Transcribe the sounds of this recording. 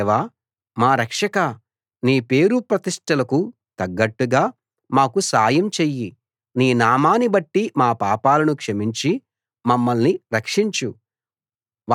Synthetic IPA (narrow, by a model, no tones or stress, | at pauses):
ʋaː | maːɾɐkʂɐkɐ | niːpe̞ːɾupɾɐt̪iʂʈɐlɐku | t̪ɐɡːɐʈːuɡaː | maːkusaːjɐmt͡ʃeːjːi | niːnaːmaːnibɐʈːimaːpaːpaːlɐnukʂɐmiɲt͡ʃi | mɐmːɐlniɾɐkʂiɲt͡ʃu